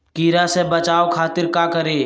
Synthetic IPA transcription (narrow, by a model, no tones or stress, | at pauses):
kiːɾasebət͡ʃaːokʰaːt̪ɪɾkaːkəɾeː